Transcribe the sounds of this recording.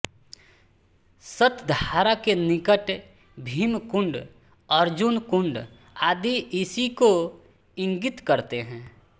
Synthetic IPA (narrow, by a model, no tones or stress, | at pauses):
sət̪d̪ʱaːɾakenɪkəʈ | bʱiːmkʊ̃ɳɖ | əɾd͡ʒʊnkʊ̃ɳɖ | aːd̪iʔɪsiko | ɪ̃ŋɡɪt̪kəɾt̪eɦɛ̃ː